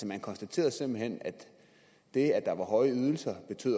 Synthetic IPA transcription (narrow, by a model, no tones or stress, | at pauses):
sɒmænkʰɒ̽nsd̥æt͡sʰe̝̰ːɐðˠse̝mb̥l̩ɦen̰æd̥ | d̥e̝æd̥ɑ̈ʋɑ̈ɦɒ̽ɪəyð̞ˠl̩sɐb̥e̝t͡sʰø̰ːð̰ˠ